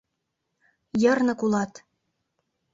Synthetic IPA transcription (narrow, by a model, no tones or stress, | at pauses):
jɤ̆rnɤ̆kulɑt̪